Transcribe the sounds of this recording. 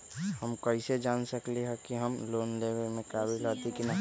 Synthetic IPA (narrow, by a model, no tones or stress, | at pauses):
həmkɐɪsed͡ʒaːnsəkleɦɛkiɦəmloːnleːʋelmẽkaːbʱilat̪ikina